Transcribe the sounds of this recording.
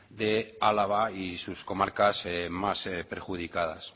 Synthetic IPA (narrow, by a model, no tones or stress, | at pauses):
d̪ealaβaisusko̞maɾkasemasepeɾxuð̞ikað̞a̰s